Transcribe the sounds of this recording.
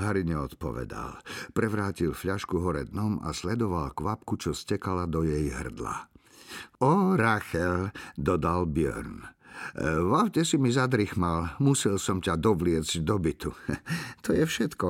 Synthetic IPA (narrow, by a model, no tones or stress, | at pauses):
ɦaɾiɲɛɔt̪pɔ̰ʋɛ̰d̪a̰lpɾɛʋɾaːcilfʎaʃkuɦɔɾɛ̰d̪nɔma̰slɛd̪ɔʋalkʋapkut͡ʃɔscɛkalad̪ɔjɛjɦr̩d̪la̰ | ɔɾaxɛld̪ɔd̪albɪɔ̰ɾn | ʋawcɛsimizad̪ɾixmalmusilsɔmcad̪ɔʋlɪɛd͡zɟd̪ɔbit̪ut̪ɔjɛfʃɛt̪kɔ